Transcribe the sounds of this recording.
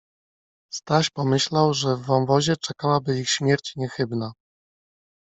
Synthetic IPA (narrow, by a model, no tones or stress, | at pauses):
st̪aɕpɔmɘɕlawʐɛvːɔnvɔʑɛt͡ʂɛkawabɘixɕmʲjɛɾt͡ɕɲɛxɘbna